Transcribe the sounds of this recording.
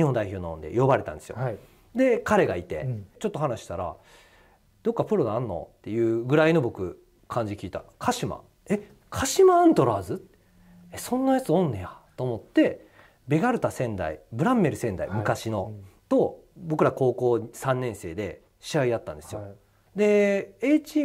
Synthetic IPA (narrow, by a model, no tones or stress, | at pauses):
ɲihond̪aiço̞ːnoond̪e̞̰jo̞baɾe̞t̪ã̰nd̪esɨjo̰ | d̪e̞kaɾe̞ɡait̪e̞̰t͡ɕo̞t̪ːo̞ɦanaɕi̥t̪aɾa̰ | d̪̥o̞kːapɯ̟ɾo̞d̪anːo̞̰t̪ːe̞jɯ̟ːɡɯ̟ɾaino̞bo̞kɯ̟ | kʰãɲ̟d͡ʑikʲiːt̪a̰kʰaɕima̰ | e̞ | kʰaɕimãːnt̪o̞ɾaːzɨt̪ | esõ̞nːajat͡sɨõ̞nːejat̪o̞ːmo̞t̪ːe̞ | be̞ɡaɾɯ̟t̪asẽ̞nd̪a̰ḭbɯ̟ɾãmːe̞ɾɯ̟sẽ̞nd̪a̰imɯ̟kaɕinot̪o̞bo̞kɯ̟ɾako̞ːko̞ːsãnːẽ̞ɰ̃se̞ːd̪e̞ | ɕiaid̪at̪ːã̰nd̪e̞sɨjo | d̪e̞et͡ɕi